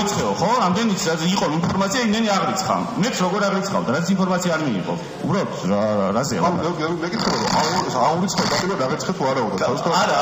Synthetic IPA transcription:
it̪sχɛɔχɔɾamd̪ɛnit̪sʰaiqʼɔinpʰɔɾmat̪sʰiaimd̪ɛniaʁɾit̪sʰχa̰mɛt̪sʰɾɔɡɔɾaʁɾit̪sʰχa̰wd̪aɾazɛsʰinpʰɔɾmat̪sʰiaːɾmiḭqʼɔ̰ | ubɾalɔt̪ʰaɾazɛa̰aɛɛmɛkʼit̪ʰχɛbaɾɔaauɾit̪sʰχɛɔpʼat̪ʼiɾabaʁit̪sʰχɛt̪ʰuaɾaɔd̪atʰaist̪ʰaaɾa

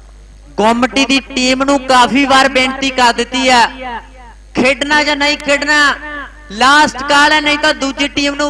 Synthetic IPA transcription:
koːmʈiːd̪iːʈiːmnũːkaːpʰiːʋaːɾbẽːɳt̪iːkəɾd̪ɪt̪ːiːɛː | kʰeːɖnaːd͡ʒãːnəĩːkʰeːɖnaː | laːsʈkaːlɛːnəĩːt̪ãːd̪uːd͡ʒiːʈiːmnũː

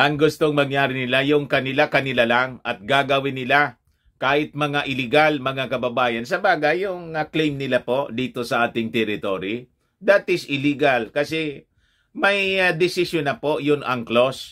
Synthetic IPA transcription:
ʔɐŋɡʊst̪oŋmɐŋjaːɾɪnɪlajʊŋkɐnɪlakɐnɪlalaŋɐt̪̚ɡaɡɐwɪnːɪla | kaːhɪt̪̚mɐŋaʔɪlɪɡalmɐŋakɐbɐbaːjɐnsɐbaːɡɐjʊŋɐklejmnɪlapo̞ʔd̪iːt̪o̞sɐʔaːt̪ɪŋt̪ɛɾɪt̪oɾi | d̪aːt̪ɪsʔɪliɡalkɐsɛ | mɐjd̪ɪsɪsjonɐpo̞jʊnʔɐŋklos

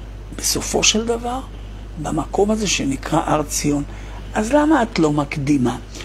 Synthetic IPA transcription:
b̥eso̞fo̞ʃeld̪avaʁ | bamako̞maze̞ʃenikʁaʔaʁt͡sio̞n | ʔazlamaːt̪lo̞makd̪ima

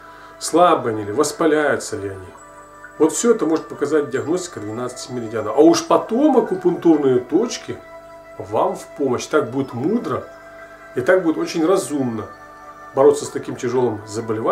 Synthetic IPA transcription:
slˠabɨɐnʲilʲɪvəspɐlʲæjʊt̪səlʲɪɐnʲi | vo̞t̪fsʲɵɛt̪əmo̞ʐɨt̪̚pəkɐzat̚ʲdʲɪɐɡnosʲtʲɪ̥kəd̪vʲɪnat̪sɨ̥sʲmʲɪlʲɪdʲanaʔɐuʂpɐt̪o̞mɐkʊpʊnt̪urnɨjət̪o̞t͡ɕkʲɪ | vamfʲpoməɕːt̪ak̚budʲɪt̪mud̪ɾə | it̪ak̚budʲɪt̪o̞t͡ɕɪnʲrɐzumnə | bɐɾo̞t̪səst̪ɐkʲimtʲɪʐo̞lˠɨmzəbəlʲɪva

